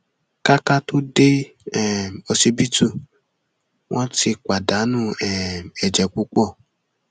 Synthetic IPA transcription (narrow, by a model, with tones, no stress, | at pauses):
ka˦ka˦to˦de˦ | ɛ˨mɔ˧si˧bi˦tu˦˨ | wʔɔ̃˦ti˧kʷa˨da˨˦nũ˦ɛ˨ɛ˨d͡ʒɛ˨k͡pu˦k͡pɔ˦˨